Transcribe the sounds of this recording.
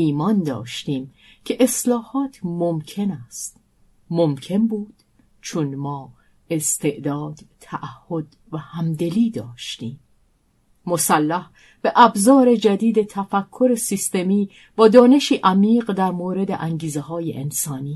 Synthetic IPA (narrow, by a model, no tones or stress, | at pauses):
iːmɒːnd̪ɒ̰ːʃt̪iːm | cʰe̞ʔeslɒːhɒːt̪ʰmomkʰe̞næst̪ | mo̞mcʰe̞nbuːd̪̥ | t͡ʃʰonmɒː | e̞st̪ʰe̞ʔd̪ɒːd̪̥ʰæʔæhːo̞d̪ | væhæmd̪e̞liːd̪ɒːʃt̪iːmː | osælːæh | b̥e̞ʔæbzɒːɾe̞d͡ʒæd̪iːd̪e̞t̪ʰæfækʰːo̞ɾe̞sist̪e̞miː | b̥ɒːd̪ɒːne̞ʃiːʔæmiːɢd̪æɾmoːɾe̞d̪eʔæŋɟiːzeɦɒːjḛʔensɒːniː